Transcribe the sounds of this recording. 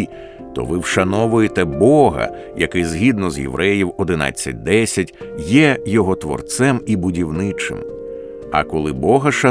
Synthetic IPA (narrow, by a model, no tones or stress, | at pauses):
t̪ɔ̰ʋɪwʃɐnɔʋʊjet̪ɛbɔɦɐ̰ | jɐ̰kɪzɦʲid̪nɔzjḛʋɾʔɛjiwɔd̪ɪnɑ̰t͡sʲːɐ̰t̚ʲd̪ɛsʲɐtʲ | jɛjɔɦɔt̪ʋɔ̰rt̪sɛmibʊdʲiwnɪt͡ʃɪ̰m | ɐ̰kɔlˠɪbɔɦɐʃɐ